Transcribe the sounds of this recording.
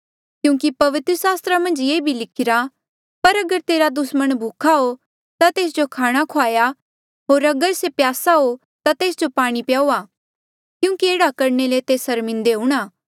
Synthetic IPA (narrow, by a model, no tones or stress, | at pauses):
kjũːkipɐʋɪt̪ɾəsaːst̪ɾamɐ̃nd͡ʒjeːbʱilɪkʰɪɾa | pɐɾɐɡəɾt̪eːɾad̪ʊsməɽ̃bʱuːkʰaɦo | t̪at̪eːs̬d͡ʒokʰaːɽ̃akʰoaːja | ɦoːɾɐɡəɾsepjaːsaɦo | t̪at̪eːsd͡ʒopaːɽ̃ipjaːuaː | kjũːkieːɽakɐɾnelet̪eːsɐɾmɪ̃nd̪eɦũːɽ̃aː